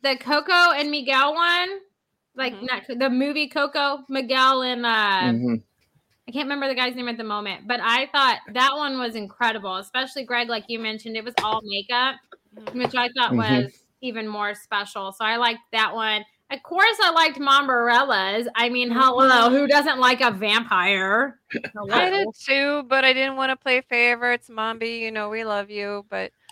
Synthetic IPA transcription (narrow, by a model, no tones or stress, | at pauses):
ðɨkʰoʊkoʊɨ̃nmɨɡɛlˠwʌ̃n | laɪk̚nɨt̚kʰðɨmʉvikʰoʊkoʊmɨɡɛlˠɨ̃nʌ | aɪkʰæ̃n̚ʔɹɪmɛ̃mbə˞ðɨɡaɪznẽɪ̃ɨt̪̚ðəmõʊ̃mɨ̃nt̚b̥ʌɾaɪθɔt̪̚ðət̚wʌ̃nwʌzɨ̃nkʰɹ̥ɛɾɨbl̩ˠəspɛʃl̩ˠiɡɹɛɡlaɪkjɨmɛ̃nʃɨ̃ndɨt̚wʌzɔlˠmeɪkʌ | wɨt͡ʃaɪθɔʔ̚wʌz | ivɨ̃nmɔɹspɛʃl̩ˠsoʊaɪlaɪk̚ðɨʔ̚wʌ̃n | ʌv̥kʰɔɹsaɪlaɪk̚t̚mɑ̃mbə˞ɛlˠəzaɪmĩnɦɛloʊhʉdʌzɨ̃nʔˡlaɪkəvæ̃mpʰaɪə˞ | laɪɾɨtʰʉbʌɾaɪdɪdⁿn̩ʔ̚wɑ̃ñəpʰl̥eɪfeɪvə˞tsmɑ̃mbijɨnoʊwilʌvjʉb̥ʌt̚